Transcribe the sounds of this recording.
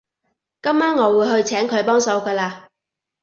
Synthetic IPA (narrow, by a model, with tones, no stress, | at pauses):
kɐ˥mːaː˥nŋɔː˨˧wuː˨˧jɦɵ˧ɥt͡sʰɛː˨˥ŋkʰɵ˨˧ɥpɔː˥ŋsɐ˨˧wkɐː˧laː˧